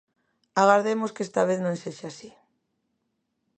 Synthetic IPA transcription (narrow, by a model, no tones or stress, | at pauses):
aɣaɾðemoskest̪aβeθnõŋseʃasi